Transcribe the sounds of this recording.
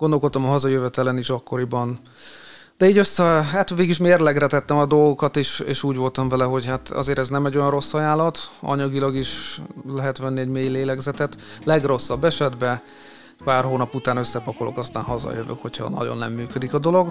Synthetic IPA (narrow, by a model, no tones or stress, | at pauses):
ɡo̞nd̪olkot̪ːɒmɒɦɒzɒjøvɛt̪ɛlɛniʃɒkːo̞ɾibɒn | d̪̥ɛiːɟøsːɛɦat̪ʋeːɡiʃmeːrlɛɡrɛt̪ɛt̪ːɛmɒd̪o̞lɡo̞kɒt̪eːʃḛːʃuːɟʋo̞lt̪ɒɱvɛlɛɦo̞ɟhat̪ɒ̰zeːɾɛznɛmɛɟo̞jɒnro̞sːɒjaːlɒt̪ɒ̰ɲɒɡilɒɡiʃlɛɦɛt̪ʋɛnːiɛɟmeːjleːlɛɡzɛt̪ɛt̪lɛɡro̞sːɒbːɛʃɛd̪bɛ | paːrhoːnɒput̪aːnø̞sːɛpɒkolo̞̰kɒst̪a̰ːnɦɒzɒ̰jøvø̰kho̞chɒ̰nɒ̰ɟo̞̰nːɛ̰mːyːkød̪ikɒd̪o̞lo̞ɡ